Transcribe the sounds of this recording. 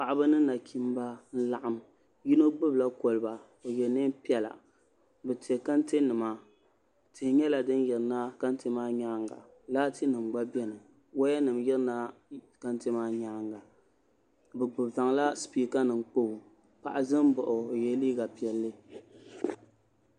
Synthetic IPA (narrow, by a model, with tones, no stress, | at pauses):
pa˨ʔa˨ba˦nɨ˦na˨kʰi˦m˦ba˦n̩˦la˨ʔa˦m | ji˦no˦ɡ͡bɨ˦bla˦ko˨lɨ˨˦ba˨ | o˨jɛ˨nɨ˦m˦pi˦ɛ˦la̰˨ | bɛ˨ti˨ɛ˨ka˦nte˦nɨ˨ma˦ | tɪ˨hɪ˨ɲɛ˦la˨dɨ˦njɪ˨ɾɨ˨na˦ka˦n˦te˦maː˦ɲaː˦ŋɡa̰˨ | laː˦ti˦nɨ˨mɡ͡ba˦bɛ˦nɨ˨ | wo˦jɛ˦nɨ˨mjɪ˦ɾna˦ka˦nte˦maː˦ɲa˦ŋɡa˨ | bɨ˨ɡ͡bɨ˨bva˨ŋla˦spiː˨ka˦nɨ˨ŋ˦k͡po˦hu˨ | pa̰˨ʔa˨zɨ˦m˦bɔ˨ʔʊ˨jɛ˨li˦ɡa˨pi˨ɛ˨lːɨ˦